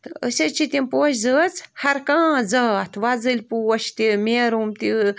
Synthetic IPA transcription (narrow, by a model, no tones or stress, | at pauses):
t̪ɨə̰sʲet͡ʃʰit̪ʲimpoːʃzəːt͡shɐɾkãːzɐːt̪ʰʋazɨlʲpuːʃt̪imʲeɾumt̪i